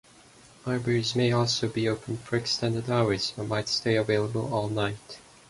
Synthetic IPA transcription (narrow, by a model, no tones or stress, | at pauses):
laɪbɛɹizmeɪɔlˠsoʊbioʊpʰn̩d̥fə˞ɨkstɛ̃ndə˞daʊə˞z̥ʌmaɪtsteɪɨveɪlˠəbə̰lˠɔlˠnaɪt